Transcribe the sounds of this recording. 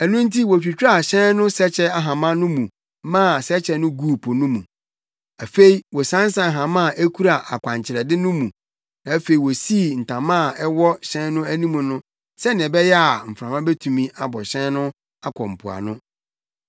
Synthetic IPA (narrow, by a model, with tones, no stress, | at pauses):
æ˨nũ˦n̩˦tʰi˦wɔ˨t͡ɕᶣi˨t͡ɕᶣa˨ɕɛ̃˦nnʊ̃˦sɛ˦t͡ɕʰɛ˦a˦ɦã˨mã˦nʊ̃˦mũ˨ | mã˦˨sɛ˦t͡ɕʰɛ˦nʊ̃˦ɡu˦˨pʰo˨nʊ̃˦mṵ̃˨ | æ˨fe˦i˨wɔ˨sã˦n˦sã˨ɦã˨mã˦˨ʔæ˦kʰu˦ɾa˨ʔa˨kʷʰã˨ɲ˨t͡ɕʰɪ˨ɾɛ˨dɪ˦nʊ̃˦mũ˨ | nã˨˦fe˨i˨wɔ˨si˦˨n̩˨tʰã˨mã˦˨ɛ˦wɔ˦ɕɛ̃˦nʊ̃˦æ˦nĩ˦mũ˨nʊ̃˦ | sɛ˦ñ˨ɛ̃˨bɛ˦jɛ˦a˨m̩˨fɾã˨mã˦bɛ˦tʰũ˨mĩ˦ʔa˨bɔ˨ɕɛ̃˦nʊ̃˦ | a˦kʰɔ̃˨m̩˨pʰu˨a̰˨nʊ̃˦